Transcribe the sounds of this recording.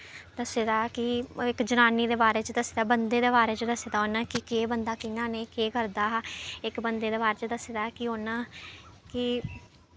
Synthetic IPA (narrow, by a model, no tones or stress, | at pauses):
d̪̥əseːd̪aːkɪɪkd͡ʒənaːniːd̪eːbaːɾeːt͡ʃəd̪əseːd̪aːbənd̪eːd̪eːbaːɾeːt͡ʃəd̪əseːd̪aːɦoːnãːkɪkeːbənd̪aːkɪnãːneːkeːkəɾd̪aːɪkbənd̪eːd̪eːbaːɾeːt͡ʃəd̪əseːd̪aːkɪoːnãː | kɪ